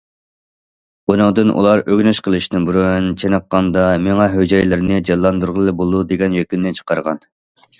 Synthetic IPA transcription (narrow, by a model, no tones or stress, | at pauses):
unɨŋd̪ɨnʔṵlˠɑɾʔøɡʲnyʃqʰəlˠɨʃnɨbuɾynt͡ʃʰenəqːɑnd̪ɑmeŋɛɦød͡ʒɑjlɪɾnɪd͡ʒɑlːˠɑnd̪uɾʁəlˠbolˠd̪ud̪eɡʲɛnjøkʲynːɪt͡ʃʰə̥qʰɑɾʁɑn